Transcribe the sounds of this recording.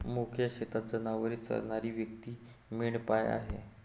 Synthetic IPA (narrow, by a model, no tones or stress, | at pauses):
mukʰjəɕet̪at̪̚d͡zənaʋəɾit͡sə̰ɾɳaɾiːʋjək̚t̪iː | miɭpaja̰ɦe